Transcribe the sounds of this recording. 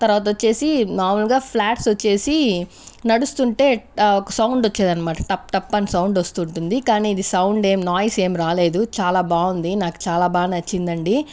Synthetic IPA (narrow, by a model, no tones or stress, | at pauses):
t̪ɐɾʋaːt̪ɐʋɐt͡ʃːe̞ːsinaːɾmɐlɡaːpʰlaːʈsʋɐt͡ʃːe̞ːsi | nɐɽust̪uɳʈe̞ːɔkɐsɐwɳɖot͡ʃːeːd̪ɐnɐmaːʈɐ̥ʈɐp̚ʈɐpːɐnisɐwɳɖʋɐst̪uːɳʈund̪ikaːniːd̪isɐwɳɖe̞ːmnaːjse̞ːmɾaːle̞ːd̪ut͡ʃaːlaːbaːund̪inaːku̥t͡ʃaːlaːbaːnɐt͡ʃːind̪ɐɳɖi